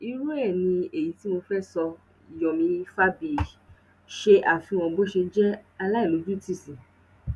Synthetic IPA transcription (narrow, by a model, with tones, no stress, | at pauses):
i˧ɾo˦ɛ˦˨nĩ˧e˨ji˨˦ti˦mo˧fɛ˦˨sɔ˧ | i˨jɔ˨mĩ˧˦fa˦bi˨ | ʃe˧ʔa˨fi˧w̃ɔ̃˧bo˦ʃe˧d͡ʒɛ˦a˧la˦i˦˨lo˨˦d͡ʒu˦ti˦˨sĩ˨